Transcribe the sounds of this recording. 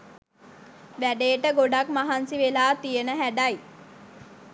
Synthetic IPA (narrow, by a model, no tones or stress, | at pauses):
ʋæɖeːʈəɡoɖakmaɦansiʋelaːt̪ijənəɦæɖaj